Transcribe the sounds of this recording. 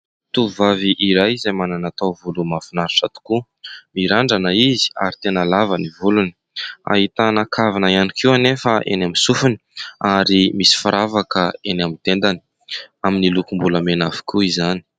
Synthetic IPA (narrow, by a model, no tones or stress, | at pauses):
t̪uvaviʔiɾajzajmananat̪awvulumafunaɾʈ͡ʂat̪u̥ku | miɾaɳɖ͡ʐanəizi̥a̰ɾit̪enəlavanivuluni̥ | a̰ɦit̪anakʰavanajanikʰiwanefəʔḛnamisufuni̥aɾimisi̥faɾavakəenamint̪end̪ani̥ | aminilukumbuləmenafi̥kʰuizani̥